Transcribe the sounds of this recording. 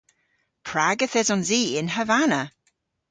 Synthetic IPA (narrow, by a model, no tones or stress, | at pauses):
pʰɹaɡəθɛzɔnziːɪnɦəvanə